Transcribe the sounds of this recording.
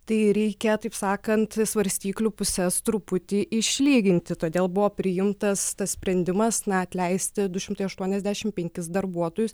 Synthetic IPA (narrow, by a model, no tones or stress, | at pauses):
t̪ɐɪɾʲɛɪkʲɛt̪ɐɪpsɑːkɐnt̪sʋɐɾʲsʲt̪ʲiːklʲupʊsʲɛst̪ɾʊpʊt̪ʲiːʔɪʃʲlʲiːɡʲɪnʲt̪ʲɪt̪oːd̪ʲeːlˠbʊʋoːpʲɾʲɪjɪmt̪ɐst̪ɐssʲpʲɾʲɛnʲd̪ʲɪmɐsnɐɐt̪ʲlʲɛɪsʲt̪ʲɪd̪ʊʃʲɪmt̪ɐɪɐʃt̪uɔnʲɛzʲd̪ʲæːʃʲɪmpʲɛŋʲkʲɪsd̪ɐɾbuɔt̪oːjʊs